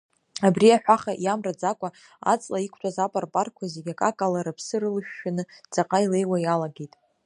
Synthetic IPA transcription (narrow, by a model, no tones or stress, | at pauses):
abriaħᶣʷaχaʔjamrad͡zakʷʼa | a̰t͡sʼlaikʷʰtʰʼazapʼarpʼarkʷʰazeɡʲakʼakʼalaɾɨpʰsɨɾɨlɨʃᶣːanɨd͡zʼaqʼaile̞jwajalaɡe̞jtʼ